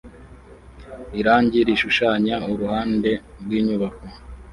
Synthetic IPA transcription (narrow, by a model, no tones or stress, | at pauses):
iɾaːɲɟiɾiʃuʃaːɲauɾuhaːnde̞ | ɾɡwiːɲuβako